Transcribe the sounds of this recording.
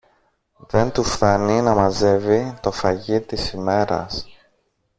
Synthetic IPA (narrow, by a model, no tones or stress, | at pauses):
ðe̞nt̪ufθɐninɐmɐze̞vit̪o̞fɐʝit̪isime̞ɾɐ̰s